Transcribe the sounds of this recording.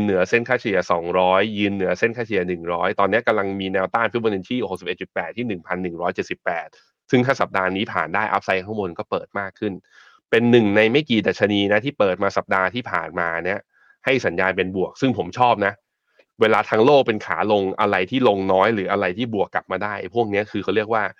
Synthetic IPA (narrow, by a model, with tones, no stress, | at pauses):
nːɯ˩˦ɐse˥˩nkʰaː˥˩t͡ɕʰi˧ɐsɔː˩˦ŋɾɔː˦˥jːɯː˧nːɯ˨˩˦ɐse˥˩nkʰaː˥˩t͡ɕʰi˧˩ɐnɯ˨˩ŋɾɔː˦˥jt̪ɔː˧nːi˦˥ɐ˩ka˧mla˧ŋmiː˧nɛː˧wt̪aː˥˩nf̚ʰwɔː˧ne˧nt̪ʰiː˥˩ho˨˩k̚si˨˩p̚ʔe˨˩t̪̚st̪̚pːɛː˨˩t̪ʰːiː˥˩nɯ˨˩ŋpʰa˧nːɯ˨˩ŋɾɔː˦˥jt͡ɕe˨˩t̪̚si˨˩pːɛː˨˩t̪̚ | sɯ˥˩ŋt̪ʰa˦˥˩sa˨˩p̚daː˧niː˦˥pʰa̰ː˨˩ndaː˥˩jʔa̰˦˥p̚sa˦˥jkʰa˥˩ŋbo˧nkɔː˥˩pɤː˨˩t̪̚maː˥˩kʰːɯ˥˩n | pe˧nːɯ˨˩ŋna˧jma˥˩jkiː˨˩da˨˩t̪̚t͡ɕʰa˧niː˧na˦˥t̪ʰiː˥˩pɤː˨˩t̪̚maː˧sa˨˩p̚daː˧t̪ʰiː˥˩pʰaː˨˩nmaː˧ni˦˥ɐ | ha˥˩jsa˩˦njaː˧npe˧nbu˨˩ək̚sɯ˥˩ŋpʰo˩˦mt͡ɕʰɔː˥˩p̚na˦˥ʔ | weː˧laː˧t̪ʰaː˧ŋloː˥˩k̚pe˧nkʰa̰ː˩˦lo˧ŋʔa˧ɾa˧jt̪ʰiː˥˩lo˧ŋnɔː˦˥jɾɯː˩˦ʔa˧ɾa˧jt̪ʰiː˥˩bu˨˩əkːla˨˩p̚maː˧daː˥˩jpʰu˥˩ək̚ni˦˥ɐkʰɯː˧xʰa˥˩ɾi˥˩ək̚waː˥˩